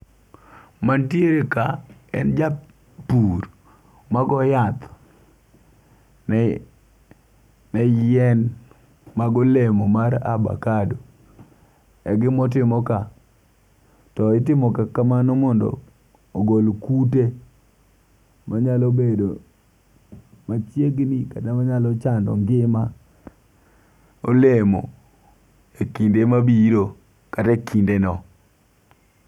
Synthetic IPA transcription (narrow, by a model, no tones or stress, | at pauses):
mantjeɾekaɛ̰nd͡ʒa | puɾ | maɡɔjat̪ | ɛɛn | maɡɔlemomaɾa̰ba̰kado | ɛɡɪmɔt̬ɪmɔka | tɔɪtɪmɔkakamanɔmɔndɔ̰ | oɡolkute | maɲalobedo | mat͡ʃjeɡnikatamaɲalɔt͡ʃandɔ̰ŋɡɪma | olemo̰ | ekindemabiɾo | katakindenɔ